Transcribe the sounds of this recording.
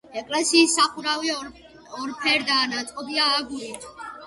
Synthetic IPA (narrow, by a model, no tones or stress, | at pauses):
ɛkʼlɛsiːsːaχuɾavi | ɔɾpʰɛɾd̪aːnat̪sʼqʼɔbiaːɡuɾit̪ʰ